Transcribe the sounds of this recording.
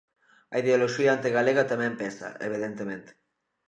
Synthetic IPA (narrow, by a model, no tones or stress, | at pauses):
ɐiðeoloʃiaant̪eɣaleɣat̪amɛ̃mpɛsɐ̰ḛβ̞iðent̪emẽnt̪e̥